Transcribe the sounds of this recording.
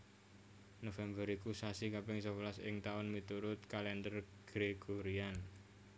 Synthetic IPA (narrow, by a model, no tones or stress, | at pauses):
nofɛmbəɾikusasikapɪŋsəwlasɪ̰ŋt̪aʊnmit̪uɾʊt̪̚kalɛnd̪ər | ɡ̥ɾeɡoɾian